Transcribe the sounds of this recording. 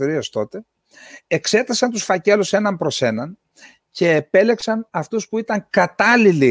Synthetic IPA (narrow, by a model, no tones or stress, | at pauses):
iɾiest̪o̞t̪e̞ | ekse̞t̪ɐsɐnt̪usfɐce̞luse̞nɐmpɾo̞se̞nɐn | ce̞ːpe̞le̞ksɐnɐft̪uspuit̪ɐŋkɐt̪ɐlili